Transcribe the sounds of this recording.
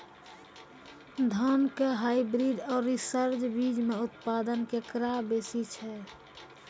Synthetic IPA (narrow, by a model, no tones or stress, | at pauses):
d̪ʱɔnkeɦaibɾiɖɔːɾːisəɾd͡ʒbid͡ʒmeʊt̪pad̪ənkekɾabesit͡ʃʰɛ